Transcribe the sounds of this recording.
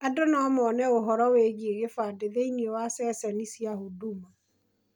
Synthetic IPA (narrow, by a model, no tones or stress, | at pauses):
adonamɔːnɛoɦɔɾɔweɣieɣefaːdeðeiniowasɛsɛnisiaɦoduma